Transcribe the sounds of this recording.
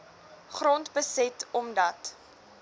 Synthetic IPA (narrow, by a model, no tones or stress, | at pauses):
χrɔntbəsɛtɔmdɐt